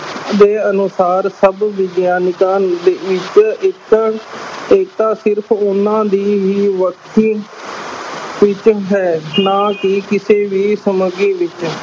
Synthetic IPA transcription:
d̪eːənʊsaːɾsəbʋɪɡjaːnɪkãːd̪eːɪt͡ʃɪk | eːkt̪ãːsɪɾpʰʊnːãːd̪iːʋiːʋəkʰːiː | ʋɪt͡ʃɦɛːnaːkɪkɪseːʋiːsəməɡiːʋɪt͡ʃ

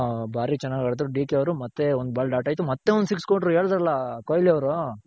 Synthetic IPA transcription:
bʱaːɾit͡ʃɛnːaːɡɐːɭt̪ɾuɖiːkeɐʋɾumɐt̪ːeond̪ubʱaːɭɐɖaːʈaːjt̪umɐt̪ːe̞ɔnd̪usikskoʈɾueːɭd̪ɐɾɐlːɐkoːjliɐʋɐɾu

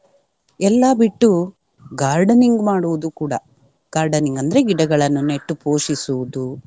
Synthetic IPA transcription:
ɛlːaːbiʈːu | ɡaːɾɖɐniŋɡmaːɽuʋud̪ukuːɽɐ | ɡ̥aːɾɖɐniŋɡɐnd̪ɐɾe̞ɡiɽɐɡɐɭɐnːune̞ʈːupoːʂisuʋud̪u

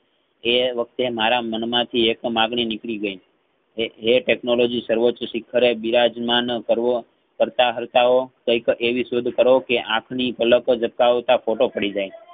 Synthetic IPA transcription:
eʋək̚ʰt̪emaɾamənmãt̪ʰiekmaɡɳinɪkɭiɡəi | eʈeknolod͡ʒisəɾʋot͡ʃːʃɪkʰːəɾebiɾad͡ʒmankəɾo | kəɾt̪aɦəɾt̪aokəjkeʋiʃod̪ʱkəɾokeʔãkʰnipələkd͡ʒəp̚kaʋt̪afoʈopəɽid͡ʒaj

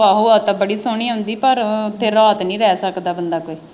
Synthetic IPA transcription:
aːɦoːat̪ãbəɽiːsoːɳ̃iːɦʊ̃nd̪iːpəɾʊt̪ʰːeːɾaːt̪nĩːɾɛːsəkd̪aːbənd̪aːkoiː

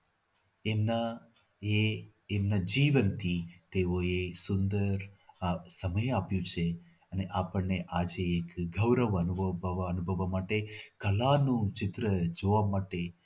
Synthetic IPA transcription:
emna | e | emnad͡ʒiʋənt̪ʰit̪eoesʊnd̪əɾasəməjapjũt͡ʃʰe | əneʔapəɳneʔad͡ʒeːkɡʱəʋɾəʋənubʋənubʱəʋamaʈekəlanũt͡ʃɪt̪ɾəd͡ʒoʋamaʈe

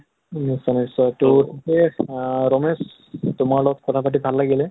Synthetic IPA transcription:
nisɔnisɔtutikɛɹɔmes | tʊmaɹlɔɡɔt̚kɔtʰapat̬ibʱalːaɡilɛ

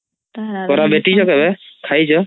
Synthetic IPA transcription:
kɔɾabeʈit͡ʃʰɔkɛbɛkʰajt͡ʃʰɔ

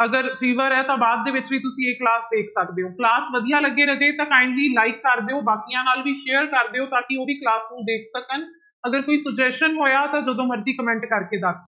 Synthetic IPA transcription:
əɡəɾpʰiːʋəɾɛːt̪ãːbaːd̪̚ːeːʋɪt͡ʃbiːt̪ʊsĩːekːlaːsd̪eːkʰsəkd̪eːoːklaːsʋəd̪ijãːləɡːeːɾəd͡ʒeːt̪ãːkãːɪɳɖliːlaːɪkːəɾd̪eːoːbaːkijãːnaːlʋiːʃeːəɾkəɾd̪eːoːt̪aːkɪoːbiːklaːsnũːd̪eːkʰsəkən | əɡəɾkoːiːsəɡd͡ʒɛːsʈənɦoːjaːt̪ãːd͡ʒəd̪õːməɾd͡ʒiːkəmɛ̃ːɳʈkəɾkeːd̪əsʰ

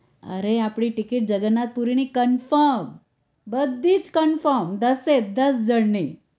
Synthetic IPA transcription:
ə̰ɾeapɽiʈikiʈ̚d͡ʒəɡənːat̪̚puɾinikənfəɾm | bəd̪ʱːiːt͡skənfəɾmd̪əsed̪əsd͡ʑəɽni

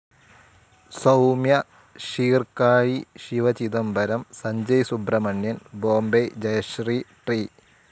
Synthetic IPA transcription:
sɐwmjɐ | ɕiːrkaːjiɕiʋɐt͡ɕid̪ɐmbʱɐɾɐmsɐɲd͡ʑɐjsubrɐmɐɳjɐnboːmbejd͡ʑɐjɐɕriʈriː

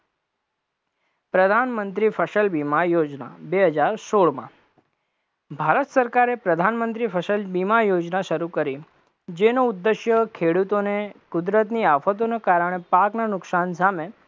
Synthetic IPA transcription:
pɾəd̪ʱanmənt̪ɾifʰəʃəlbimajod͡ʒna̰beɦəd͡ʒaɾsoɽmã̰ | bʱaɾət̪səɾkaɾepɾəd̪ʱanmənt̪ɾifʰəʃəlbimajod͡ʒnaʃəɾukəɾi | d͡ʒenoʊd̪ːeʃjəkʰeɽut̪onekʊd̪ɾət̪̬niafət̪̬onekaɾəɽ̃epaknanʊksansame

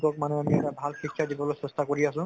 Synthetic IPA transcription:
kɔk̚manɛamiɛɾabʱalxɹikt͡ʃʰadibɔlosestakoɹiasũ

